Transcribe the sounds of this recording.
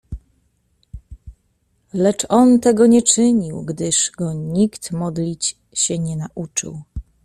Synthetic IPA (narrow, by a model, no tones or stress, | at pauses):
lɛt͡ʂɔnt̪ɛɡɔɲɛt͡ʂɘɲiwɡd̪ɘʂɡɔɲikt̪mɔd̪lʲit͡ɕ | ɕɛɲɛnaʔut͡ʂɘ̰w